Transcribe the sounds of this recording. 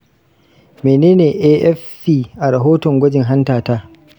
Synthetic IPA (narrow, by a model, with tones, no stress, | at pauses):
meː˨neː˦neː˨ʔeː˦ʔɛ˦fːiː˨ʔa˨ɾa˨ɦoː˦tɔ˨ŋɡʷɐ˦d͡ʒɪ˨ŋɦa˦ntaː˨taː˦